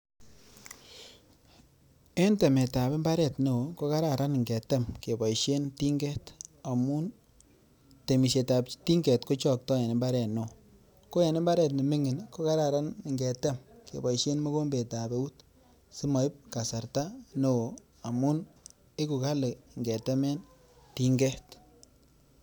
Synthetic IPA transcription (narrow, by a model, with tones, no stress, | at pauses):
e˦ntɛ˨me˨ta˨be˦mba˦ɾɛ˨tno˨wo˨ko˦ka˦ɾa˨ɾa˦n˨ŋɡɛ˨tɛ˦mke˨bɔ˨jʃe˦nti˦ŋɡɛ˦ta˨mu˦n | te˨mi˨se˨ta˨pti˦ŋɡɛ˨tko˦t͡ʃɔ˦˨k̚tɔ˦jɛ˨ne˨mba˦ɾɛ˨tno˨ | ko˦je˨ne˦mba˦ɾɛ˨t̬ni˨mɪ˦ŋɪ˨nko˦ka˦ɾa˨ɾa˦n˨ŋɡɛ˨tɛ˦mkḛ˨bɔ˨jʃe˦nmɔ˦ko˦mbe˨ta˨be˨˦u˦t | si˦ma˨i˦p̚ka˨sa˨ɾta˦no˨ | a˨mu˦n | e˦ku˨ka˦le˨ŋɡɛ˨tɛ˦mɛ˦n | ti˦ŋɡɛ˦t